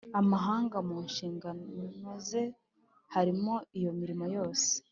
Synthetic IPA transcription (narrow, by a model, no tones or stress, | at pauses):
amaɦaːŋɡamuːnʃiːŋɡanoze̞ | haɾimoijo̞miɾimo̞jo̞ːse̥